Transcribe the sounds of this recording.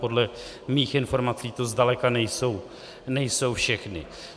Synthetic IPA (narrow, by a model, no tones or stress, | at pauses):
po̞dlɛ | miːxɪnfo̞ɾmat͡siːt̪ozdalɛkanɛjso̞w | nɛjso̞wfʃɛxnɪ̰